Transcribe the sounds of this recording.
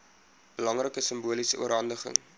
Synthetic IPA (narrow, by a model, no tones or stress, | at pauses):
b̥əlɐŋrəkəsəmbuəlisəʔuəɾɦɐndəχə̰ŋ